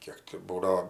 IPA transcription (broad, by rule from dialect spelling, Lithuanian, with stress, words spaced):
ˈkʲiɛk tʲɪ ˈbuːdɐoː